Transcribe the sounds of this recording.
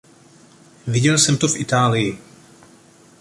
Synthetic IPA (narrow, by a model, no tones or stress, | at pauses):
vɪɟɛlsɛmt̪ofʔɪ̰t̪aːlɪjɪ